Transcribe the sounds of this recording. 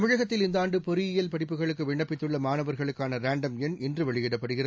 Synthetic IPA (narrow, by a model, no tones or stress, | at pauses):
ɐmɪɻɐɣɐt̪ːɪlɪnd̪aːɳɖɯpɔɾɪjɪjɐlpɐɽɪpːɯɣɐɭɯkːɯʋɪɳːɐpːɪt̪ːɯɭːɐmaːnɐʋɐɾɣɐɭɯkːaːnɐɾaːɳɖɐmɛnɛndrɯʋɐɭɪjɪɽɐpːɐɽɯɣɪrɐ